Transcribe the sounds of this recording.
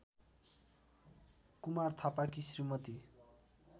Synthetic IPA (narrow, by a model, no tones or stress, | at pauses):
kumart̪ʰapakisrimʌt̪i